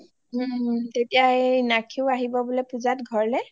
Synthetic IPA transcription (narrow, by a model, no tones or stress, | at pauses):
tetijanakʰiʊaɦibɔbolɔpuzatɡʱɔɹlɛ